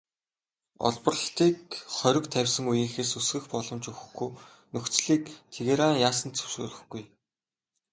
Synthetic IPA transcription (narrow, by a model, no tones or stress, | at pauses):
ɔ̰ɮpɞ̆rə̆ɬt̪iːk̚χœɾʲɪ̆kt̪ʰæwʲsɘ̆ŋujĭŋxeːsɵsɡɘ̆xpɔɮɞ̆mt͡ɕɵwx̆xɡuj | nɵxt͡sɮiːk̚t̪ʰeɣeɾaːŋjaːs̬ə̆nt͡sʰɵ̥wsɵ̰ːɮɵ̆xɡuj